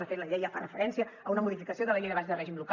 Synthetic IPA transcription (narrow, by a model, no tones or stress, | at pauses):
əfet̪ləʎɛjəfa̰rəfəɾɛnsiəəunəmuðifikəsioðələʎejnəβazðərɛʒimluk